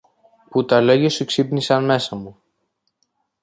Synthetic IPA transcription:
put̪ɐlo̞ʝɐsuksipnisɐnme̞sɐmu

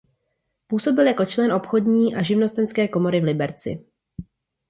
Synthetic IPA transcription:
puːso̞bɪljako̞t͡ʃlɛnʔo̞pxo̞dɲiːʔaʒɪvno̞st̪ɛnskɛːko̞mo̞ɾɪvlɪbɛɾt͡sɪ̰

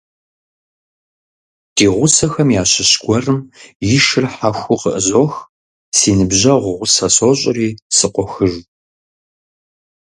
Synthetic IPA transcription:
d̥iːʁʷʊsɐxɐmjaːɕɪɕɡʷɔrɨmjɪʃɨrħaxʷʊqəʔəzoːx | siːnɨbʑɐʁʷʊʁʷʊsɐsoːɕʼɪriːsɨqʷɔxɨʒ

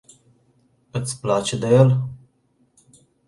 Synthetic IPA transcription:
ɨt̪sʲplat͡ʃed̪ejel

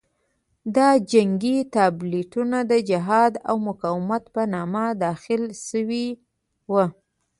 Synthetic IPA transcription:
d̪ɑd͡ʒaŋɡit̪ɑbliʈunad̪əd͡ʒɪɦɑd̪a̰wmʊkɑwɪmat̪pənɑmad̪ɑxɪlʃəwi | wə

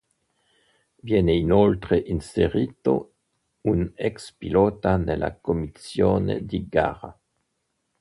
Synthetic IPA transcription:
vjɛːneinolt̪ɾeʔinseɾiːt̪o̰ | unɛkspilɔːt̪anelːʔa̰komisjoːnḛd̪iɡa̰ːɾa̰

